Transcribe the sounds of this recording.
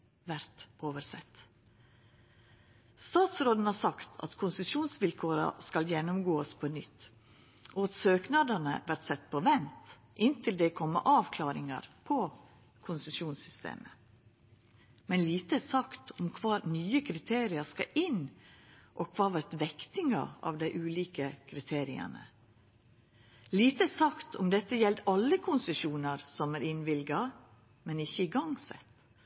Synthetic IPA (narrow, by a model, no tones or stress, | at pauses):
ʋæɾt̪ʔoːʋəɾsɛ̰t̪ː | st̪ɑːt̪sɾoːd̪n̩hɑːɾsɑkt̪ʰɑ̰t̪kʰʊnsəsʃuːnsʋɪlkʰoːɾɑ̰skɑljɛnːʊmɡoːəspʰɔnʏt̪ː | ʔɔɑt̪søːknɑd̪ənə̰ʋæɾʈ̪sɛt̪ːpʰɔʋɛnt̪ | ʔɪnt̪ɪld̪ɛkʰɔmːə̰ʔɑːʋkʰlɑːɾɪŋə̰ɾpʰɔ | kʰʊnsəsjuːnsʏst̪ḛːmə | mɛnliːt̪əæsɑkt̪ɔmkʰʋɑːnyːəkʰɾɪt̪ʰeːɾɪəskɑ̰ʔɪn | ʔɔkʰʋɑːʋæɾt̪ʋɛkt̪ɪŋɑ̰ɑ̰ːʋd̪æɪʔʉːliːkəkʰɾɪt̪ʰeːɾɪə̰nə̰ | liːt̪əæsɑkt̪ʰɔmd̪ɛt̪ːəjɛld̪ɑlːəkʰʊnsəʃuːnɑɾsɔmæɾɪnʋɪlɡɑ | mɛnɪçːəɪɡɑŋsɛ̰t̪